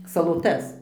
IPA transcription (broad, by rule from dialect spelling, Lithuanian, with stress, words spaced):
sɐlˠoːˈtɐs